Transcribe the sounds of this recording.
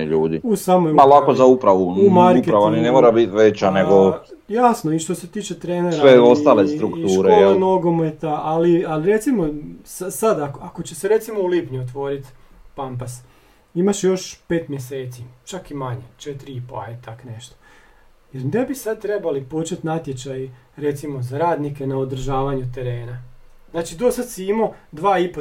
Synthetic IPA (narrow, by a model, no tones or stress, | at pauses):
iʎuːd̪iusamojmalˠakozaupɾaʋunumaɾupkeɾaʋaninemoɾabit̪ʋet͡ʃaneɡo | jaːsnoiʃt̪ose̞t̪iːt͡ʃet̪ɾeːnesɾɾaʋeost̪aːlest̪ɾukt̪ʃuːɾeolano̞ɡomet̪aʔalialiɾe̞t̪simo̞sasad̪akako̞t͡ɕeseɾe̞t̪simoulipɲuot̪ʋo̞ɾit̪pampas | imaʃjo̞ʃpe̞ːt̪mjese̞ːt̪sit͡ʃakimaɲet͡ʃet̪ɾiipoa̰ɛt̪akne̞ʃt̪o̥ | jeɾne̞bisad̪̚t̪ɾe̞balipot͡ʃet̪nat̪je̞t͡ɕaj | ɾet̪simo̞zaɾaːd̪nike̞naod̪r̩ʒaːʋaɲut̪e̞ɾe̞ːnaznaːt͡ʃid̪osad̪siimo̞d̪ʋaːipo